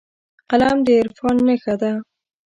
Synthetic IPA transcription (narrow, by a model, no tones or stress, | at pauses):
qalamd̪əɪɾfɑnːəxad̪a